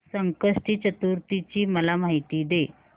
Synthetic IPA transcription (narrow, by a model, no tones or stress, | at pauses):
səŋkəʂʈiːt͡ɕət̪uɾt̪it͡ɕiːməlamaɦit̪iːd̪e